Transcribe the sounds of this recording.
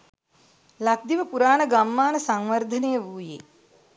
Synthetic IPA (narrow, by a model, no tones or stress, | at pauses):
lak̚d̪iʋəpuɾaːnəɡamːaːnəsaŋʋɐrd̪ʱɐnejəʋuːjḛː